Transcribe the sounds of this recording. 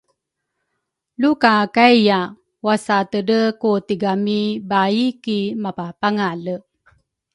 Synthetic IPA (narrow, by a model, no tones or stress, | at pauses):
lukakajja | wasat̪ədəkutiɡamibaikimapapaŋalə